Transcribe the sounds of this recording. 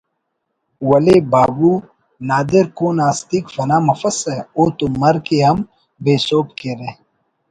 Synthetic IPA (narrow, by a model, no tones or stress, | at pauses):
wɐlebaːbuː | naːd̪ɪɾkoːnaːst̪iːkfɐnaːmɐfəsɛoːt̪umɐɾkeɦɐm | beːsoːp̚keːɾeː